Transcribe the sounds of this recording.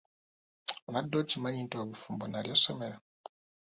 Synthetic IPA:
madocimaɲintoaβufuːmbonaljasomeɾa

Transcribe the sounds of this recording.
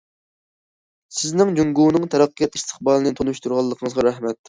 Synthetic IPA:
sɪznɪŋd͡ʒuŋɡunɨŋt̪ʰɛɾɑqːijɑt̪ʰi̥st̪ʰə̥χbɑːlˠɨnɨt̪ʰonuʃt̪uɾʁɑlˠːəqʰəŋəzʁɑɾæhmɛt̪ː

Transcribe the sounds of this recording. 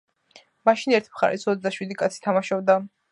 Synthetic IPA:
maʃinɛɾt̪ʰimχa̰ɾɛ̰sɔt̪d̪aʃwid̪ikʼat̪sʰi̥t̪ʰamaʃɔbd̪a

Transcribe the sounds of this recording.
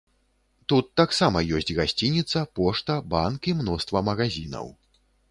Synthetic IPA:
t̪ut̪ːaksamɐjɔsʲt͡sʲɣasʲt͡sʲinʲit̪sɐpɔʂt̪ɐbankimnɔst̪vɐmɐɣazʲinɐ̰w

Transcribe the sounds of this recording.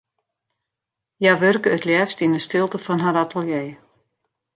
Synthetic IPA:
jaʋørkəːtljɛːfstinəstɪlˠtəfɔnɦaɾatʰəlˠjeː

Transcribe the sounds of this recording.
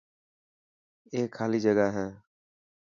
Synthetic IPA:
eːkʰːaːliːd͡ʒəɡaɦɛ̃ː

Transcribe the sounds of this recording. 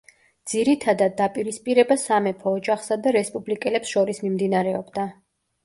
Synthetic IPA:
d̪z̥iɾit̪ʰad̪ad̪̚ːapʼiɾispʼiɾɛbasamɛpʰɔːd͡ʒaχsad̪aɾɛspʼublikʼɛlɛpsʃɔɾismimd̪inaɾɛɔbd̪a

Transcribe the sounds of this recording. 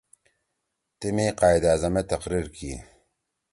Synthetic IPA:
t̪imeqɑːjd̪aːzɐmet̪ɐqɾiɾkḭ

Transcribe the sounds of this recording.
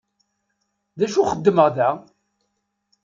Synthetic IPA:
ðæʃuχəd̪ːməʁðæ

